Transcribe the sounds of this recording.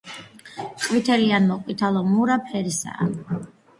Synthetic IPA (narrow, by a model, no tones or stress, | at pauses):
kʼwit̪ʰɛlianmɔqʼwit̪ʰalˠɔmuɾapʰɛɾisa̰ː